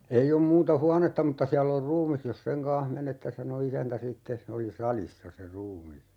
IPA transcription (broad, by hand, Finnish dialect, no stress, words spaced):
ei om muːtɑ huɑnetːɑ mutːɑ siælː or ruːmis jos seŋ kɑ̃ːh menetːe sɑno isæntæ sitːes se oli sɑlisːɑ se ruːmis